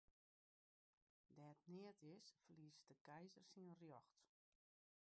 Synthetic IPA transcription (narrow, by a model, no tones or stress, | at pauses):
dɛːtnɪətɪsfəliəsdəkɛjzərsinrjɔxt